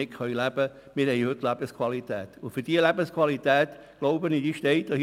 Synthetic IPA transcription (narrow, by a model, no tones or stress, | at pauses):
ɪkχœʏlæb̥ə | mɪːhɛihøtlæb̥əskwalit̪ɛ̰ːt̪ʊnfyd̥iəlæbəskʰwalit̪ɛːt̪ | ɡ̥loʊbənid̥iːʃtɛɪtɔ